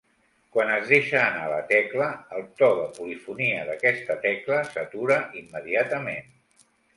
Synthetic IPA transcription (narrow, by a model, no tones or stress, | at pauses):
kwanəzðeʃəːna̰lət̪ɛkləːlˠt̪ɔðəpulifuniəðəkɛst̪ət̪ɛkləsət̪uɾəʔimːəðiat̪əmen